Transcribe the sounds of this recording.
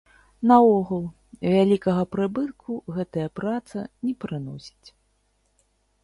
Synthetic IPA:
nɐɔɣulˠ | vʲalʲikɐɣɐpɾɨbɨt̪̚kʰuɣɛt̪ɐjɐpɾat̪sɐ̰nʲɛpɾɨnɔsʲi̥t͡sʲ

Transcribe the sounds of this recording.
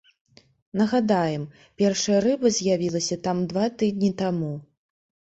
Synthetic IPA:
nɐɣad̪ajɛm | pʲɛrʂɐjɐɾɨbɐzʲjavʲilˠɐsʲɐt̪amd̪vat̪ɨd̪ʲnʲit̪amu

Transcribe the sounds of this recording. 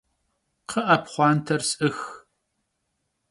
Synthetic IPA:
qʰəʔɐpχʷɑːntʰɐrsʼɨx

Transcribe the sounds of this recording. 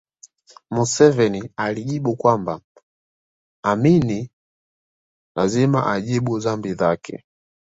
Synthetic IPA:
musɛvɛnialiʄiɓukwamba | amini | lazima̰ʔaʄiɓuzambiðakɛ̰

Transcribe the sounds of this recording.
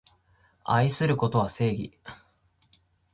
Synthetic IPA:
aisɨɾɯ̟ko̞t̪o̞βase̞ːɡʲḭ

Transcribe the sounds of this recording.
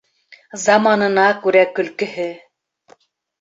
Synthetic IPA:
zɑmɑnɤ̆nɑkʉɾækɵ̆lkɘ̆hɘ

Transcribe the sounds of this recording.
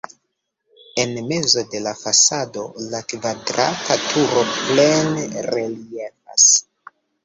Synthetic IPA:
e̞nme̞zo̞de̞lafasado̞lakvadɾa̰tatʰuɾo̞ple̞nɾe̞lie̞fa̰s

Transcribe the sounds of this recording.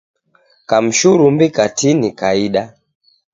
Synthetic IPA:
kam̩ʃuɾumbikatinikaiɗa

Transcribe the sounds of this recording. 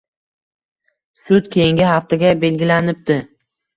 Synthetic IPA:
sʊt̪kʲʰe̞jɪŋɡʲɪhaft̪aɡʲabe̞lɡʲɪlanɪp̚d̪ɪ

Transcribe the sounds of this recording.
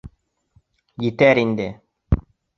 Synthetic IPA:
jitɛɾindɛ

